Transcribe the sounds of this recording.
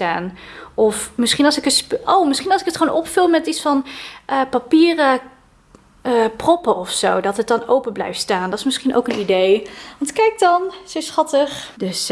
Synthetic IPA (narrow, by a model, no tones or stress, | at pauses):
staːnɔfmɪsχinɑlˠsɪkətspʔowmɪsχinɑlˠsɪkətχəonʔɔpfɪlˠmɛtitsfɑnʔəpapiːrə | əprɔpəɔfsowdɑtɦət̚dɑnowpəblɛ̰jftstaːndɑtɪ̥smɪsχinʔo̰wkənidejʋɑntkɛjk̚dɑnsosχɑtəχdɵs